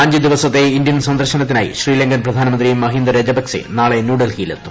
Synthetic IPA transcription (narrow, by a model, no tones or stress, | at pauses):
ɐɲd͡ʑɨd̪iʋɐsɐt̪ːe̞ind̪jɐnsɐnd̪ɐrɕɐnɐt̪̬ːinaːjḭɕriːleŋɡɐnprɐd̪ʱaːnɐmɐnd̪rimːɐɦind̪ɐɾed͡ʑɐbɐksḛnaːɭenuːɖɐlhiːlet̪ːu̥